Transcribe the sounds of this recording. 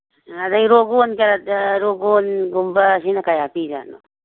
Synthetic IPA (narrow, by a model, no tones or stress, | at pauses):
ad̪aiɾoɡonkaɾat̪ɾoɡonɡumbasinakajapiɾa̰no̰